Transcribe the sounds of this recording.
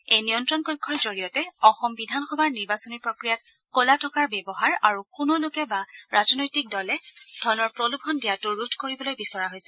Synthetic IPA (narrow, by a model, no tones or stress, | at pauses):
ejnijɔntɹɔnkojkʰːɔɹzoɹijɔtɛɔxɔmbidʱanxɔbʱaɹniɹbasɔniɹpɹokɹijat | kolatʰɔkaɹbɛbɔɦaɹaɹukunolʊkɛbaɹazɔnojtik̚dɔlɛd̥ʱɔnɔɹpɹolubʰʱɔndijatuɹutʰkoɹibɔlojbisɔɹaɦojsɛ